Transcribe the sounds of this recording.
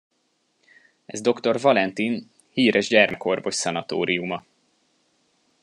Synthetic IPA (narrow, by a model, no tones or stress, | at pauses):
ɛzd̪o̞kt̪o̞rvɒlɛnt̪in | hiːɾɛʒɟɛrmɛko̞rvo̞ʃsɛnɒt̪o̰ːɾiumɒ